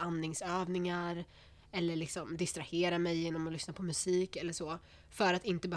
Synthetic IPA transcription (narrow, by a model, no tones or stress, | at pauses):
anːɪŋsøːvnɪŋaɾ | ɛlːəɭɪksɔmd̪ɪst̪ɾaheːɾamɛjːeːnɔmɔlʏsnapʰɔmɵsiːkɛlːəʂoː | fœɾat̪ɪnt̪əbɛ